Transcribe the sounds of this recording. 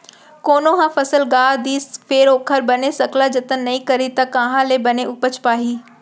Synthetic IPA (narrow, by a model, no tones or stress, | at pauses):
koːnoɦãfɐsəlɡaːd̪iːsfeːɾoːkʰəɾbɐnesɐkʰlad͡ʑɐt̪ənnɐĩkɐɾit̪ɐkãːɦãlebɐneʔʊpət͡ɕʰpaːɦiː